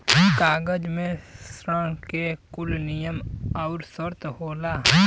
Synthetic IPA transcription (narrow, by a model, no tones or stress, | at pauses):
kaːɡəd͡ʒmẽsɾəɽ̃kekʊlnɪjəmaːʊɾsəɾt̪ɦoːlaː